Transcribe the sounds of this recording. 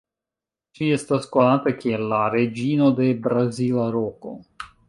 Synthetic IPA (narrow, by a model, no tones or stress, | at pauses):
d͡ʒie̞stasko̞natakie̞lːaɾe̞d͡ʒino̞de̞bɾazilaɾo̞ko̞̰